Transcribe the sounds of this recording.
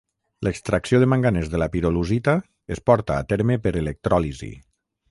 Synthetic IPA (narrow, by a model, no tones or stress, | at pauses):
ləkst̪ɾaksioðəmaŋɡanezðəlapiɾoluzit̪a | espɔɾt̪aːt̪ɛɾmepəɾelek̚t̪ɾɔlizḭ